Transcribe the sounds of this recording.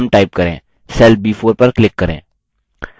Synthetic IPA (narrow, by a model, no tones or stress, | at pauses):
mʈaːɪp̚kɐɾḛ̃ː | sɛːlbiːfʰoːɾpɐɾklɪkːəɾḛ̃ː